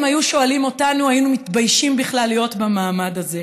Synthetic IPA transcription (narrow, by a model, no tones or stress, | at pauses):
mhajuʃo̞alimo̞tanuajinumitbajʃimbiχlalːijo̞tbamaːmadaze̞